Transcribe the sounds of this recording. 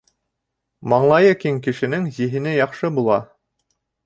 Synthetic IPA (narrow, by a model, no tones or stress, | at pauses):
mɑɴlˠɑjɤkiŋkɘ̆ʃɘ̆nɘŋzĭɦɘ̆nɘjɑqʃɤbulˠɑ